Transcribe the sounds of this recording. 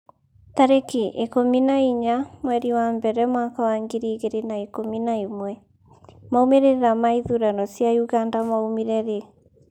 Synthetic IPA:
taɾekiʔekominaiɲamwɛɾiwambɛɾɛmwakawaŋɡiɾiɣeɾenaekominaimwɛ | maomeɾeɾeɾamaiðuɾanɔsjajuɣandamaumiɾɛɾe

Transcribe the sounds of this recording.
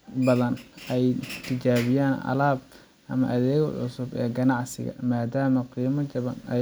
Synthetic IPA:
bɐðɐnʔɛjt̪ʰɪt͡ʃaːβɪjaːnʔɐ̰laːb | ʔɐmɐ̰ʔɐðɛːɣʕʊ̰sʊbɛːɡɐnɑʕsɪɣɐ̰maːd̪aːmɐqiːmɐt͡ʃɐβɐnɐ

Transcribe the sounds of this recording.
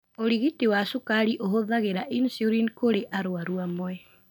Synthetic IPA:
oɾiɣitiwasokaɾiʔoɦoðaɣeɾaʔinsioɾinkoɾeʔaɾoaɾuamoɛ

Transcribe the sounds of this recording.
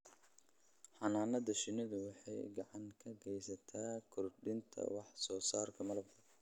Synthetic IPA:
ħɑnaːnɐðɐʃɪnɪðʊwɑħɑjɡɑʕɑŋkʰɐɡɛjsɐt̪ʰaːkʰɔrɖɪnt̪ʰɐ̰wɑħsɔːsaːrkʰɐmɐlɐbkʰɐ

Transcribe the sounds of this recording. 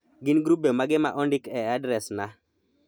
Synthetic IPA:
ɡɪnɡɾubemaɡɪma̰ʔɔndɪkɛadɾɛsna

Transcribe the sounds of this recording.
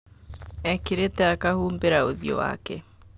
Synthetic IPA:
ɛkeɾetɛakahuːmbeɾaoðijɔ̰wa̰kɛ

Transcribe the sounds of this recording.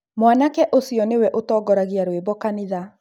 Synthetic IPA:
mwanakɛʔosiɔnewɛʔotɔːɡɔɾaɣiaɾwebɔkaniða

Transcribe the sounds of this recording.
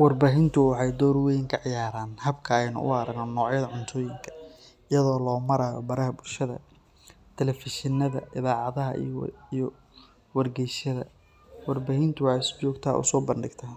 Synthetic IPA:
wɑrbaːɦɪnt̪ʰʊwɑħɑjd̪ɔːɾwɛjɪŋkʰɐʕɪjaːɾaːnhɐbkʰɐɛjnʊ̰ʔʊ̰ɐɾɐɡnɔnːɔːʕjɐðɐʕʊnt̪ʰɔːjɪŋkʰɐ̥ | ɪjɐðɔːlɔːmɐɾaːjɔ̰bɐɾɐɦɐbʊlʃɐðɐ̰ | t̪ʰɛlɛfɪʃɪnːɐðɐ̰ʔɪðaːʕɑðɐɦɐ̰ij | wɐrɡɛjʃɐðɐ̰ | wɑrbaːhɪnt̪ʰʊwħɑɪsbɔːɡt̪ʰa̰ːʔʊ̰sɔːbɐnɖɪɡt̪ʰɐ

